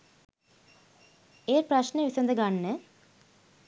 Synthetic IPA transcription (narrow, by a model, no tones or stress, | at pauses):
eːrprɐɕneʋisɐnd̪əɡaɳːə